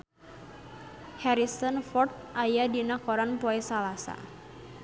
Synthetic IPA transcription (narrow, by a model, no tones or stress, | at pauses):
hɛɾisɔnfɔrt̪̚ʔajadinakɔɾanpɔɛsalasa̰